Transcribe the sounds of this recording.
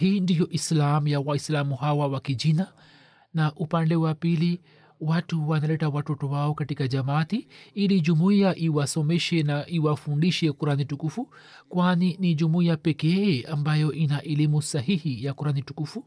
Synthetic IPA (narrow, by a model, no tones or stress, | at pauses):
hiːndijɔʔislamujawaislamuɦawawakid͡ʒina | naʔupandɛwapili | watuwanalɛtawatɔtɔwaɔkatikad͡ʒamatiilid͡ʒumuiaʔiwasɔmɛʃɛnaiwafundiʃɛkuɾanitukufu | kwaninid͡ʒumuiapɛkɛambajɔʔinaʔɛlimusaɦihijakuɾanitukufu